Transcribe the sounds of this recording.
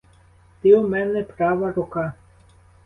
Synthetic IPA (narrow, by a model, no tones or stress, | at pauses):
t̪iɔmɛnɛpɾaːʋaɾoka